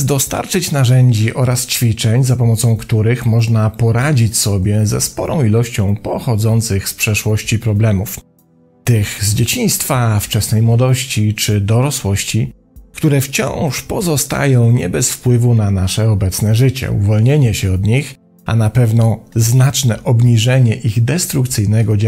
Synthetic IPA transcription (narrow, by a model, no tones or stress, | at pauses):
d̪ɔst̪a̰ɾt͡ʂɘt͡ɕnaʐɛɲd͡ʑiʔɔɾast͡ɕfʲit͡ʂɛɲzapɔmɔt̪sɔ̃w̃kt̪uɾɘxmɔʐnapɔɾad͡ʑit͡ɕsɔbʲjɛzɛspɔɾɔ̃w̃ilɔɕt͡ɕɔ̃w̃pɔxɔd̪zɔnt̪sɘxspʂɛʂwɔɕt͡ɕipɾɔblɛmuf | t̪ɘxzd͡ʑet͡ɕĩj̃st̪faft͡ʂɛsnɛjmwɔd̪ɔɕt͡ɕit͡ʂɘd̪ɔɾɔswɔɕt͡ɕi | kt̪uɾɛft͡ɕɔ̰̃w̃ʂpɔzɔst̪a̰jɔ̃w̃ɲɛbɛsfpwɘvunanaʂɛɔbɛt̪snɛʐɘt͡ɕɛ̰ṵvɔlɲeɲɛɕɛɔd̪ɲix | a̰napɛvnɔznat͡ʂnɛʔɔbɲiʐɛɲɛʔiɣd̪ɛst̪ɾukt̪sɘjnɛɡɔd͡ʑ